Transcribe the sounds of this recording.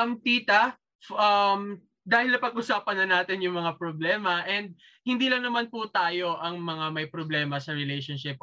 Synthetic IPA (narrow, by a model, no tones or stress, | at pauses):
ɐmt̪iːt̪ɐ | fʔɐm | d̪aːhɪlnɐpɐɡʔʊsaːpɐnːɐnaːt̪ɪnjʊŋmɐŋapɾoblɛːmɐʔɛnd̪̚ | hɪnd̪iːlɐŋnɐmanpʊt̪aːjo̞ʔɐŋmɐŋamɐjpɾoblɛːmɐsɐɾɛlɛjʃonʃɪp̚